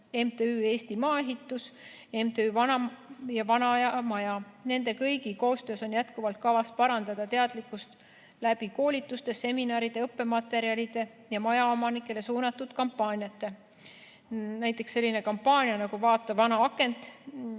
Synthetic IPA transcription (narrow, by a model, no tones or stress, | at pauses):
e̞mt̪eyːe̞ːst̪imɑːe̞ɦit̪ːˑus | e̞mt̪eyːvɑnɑjɑvɑnɑjɑmɑjɑne̞nd̪e̞kɤjɡ̥iko̞ːst̪ø̞ːso̞njæt̪kuvɑlt̪̚kɑvɑspɑɾɑnd̪ɑd̪̥ɑt̪e̞ɑd̪likːˑust̪ | læb̥iko̞ːlit̪ːˑust̪e̞se̞minɑːɾid̪̥e̞ɤpːe̞mɑt̪ːˑe̞ɾiɑlid̪̥e̞ | jɑmɑjɑo̞mɑnikːˑe̞le̞suːnɑt̪ːˑud̪̥kɑmpːˑɑːnʲjɑt̪ːe̞ | næjt̪ːˑe̞ksːe̞lʲːinekɑmpːɑːnʲjɑnɑɡ̥uvɑːt̪ːˑɑvɑnɑɑkːˑe̞nt̪ˑ